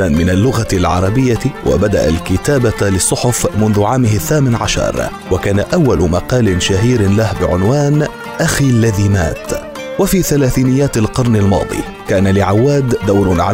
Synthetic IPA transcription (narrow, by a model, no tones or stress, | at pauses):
anmɪnalːʊɣalʕɑ̰ɾˤɑbɪjːawa̰bad̪a̰ʔa̰lkɪt̪aːbalɪsˤːʊħʊfmʊnðʊʕaːmɪhaθːaːmɪnʕa̰ʃɑ̰ɾˤ | wakaːnaʔawːalʊmaqɑːlɪnʃaɦiːɾlahbɪʕʊnwaːn | ʔaxilːaðiːma̰ːt̪ | wafiːθalaːθiːnɪjːaːt̪alqɑɾˤnalmɑ̰ːd̪ˤḭ | kaːnalɪʕawːaːd̪d̪awɾʊʕa